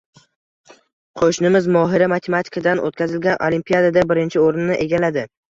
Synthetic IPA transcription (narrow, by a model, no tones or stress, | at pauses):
qʰoʃnɪmɪzmɒɦɪɾamat̪ʰemat̪ʰɪ̥kʰad̪anʔo̰t̪̚kʲʰazɪlɡʲanʔolimpijad̪ad̪abɪɾɪnt͡ʃʰɪoɾɪnːɪʔe̞ɡʲalad̪ɪ